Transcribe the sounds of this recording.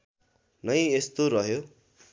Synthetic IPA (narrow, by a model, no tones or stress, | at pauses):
nʌjest̪oɾʌɦjo